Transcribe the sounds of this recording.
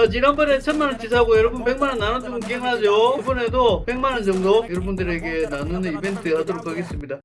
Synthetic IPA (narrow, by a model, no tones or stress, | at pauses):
ad͡ʑiɾanbʌnet͡ɕʰʌnmanɯɭt͡ɕisʰaɦaɡojʌɾʌbunpe̞ŋmanɯnːanɯnd͡ʑoŋɯk̬iɦeŋɯɭad͡ʑobʌne̞dope̞ŋmanɯnd͡ʑʌŋdojʌɾʌbundɯɾe̞ɡe̞nanunɯibe̞ntʰɯhadoɾokʰaɡe̞s͈ɯmɲida